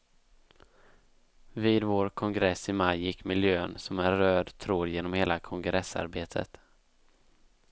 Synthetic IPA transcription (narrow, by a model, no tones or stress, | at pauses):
viːd̪voːɾkʰɔŋɡɾɛsɪmajːɪkːmɪljøːənsɔmæːøːd̪t̪ʰɾoːd̪jeːnɔmheːlakʰɔŋɡɾɛsːa̰ɾbeːt̪ʰə̰t̪